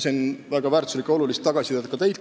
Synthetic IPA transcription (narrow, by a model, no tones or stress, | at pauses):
sinvæɡ̥ɑvæːrt̪u̥slikːeo̞lulist̪ːɑɡ̥ɑsʲit̪eːd̪ɑkɑt̪ejt̪